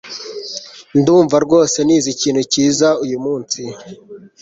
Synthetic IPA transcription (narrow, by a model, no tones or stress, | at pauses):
nduːɱvaɾɡo̞ːse̞niːziciːnhuciːzaujumuːnsi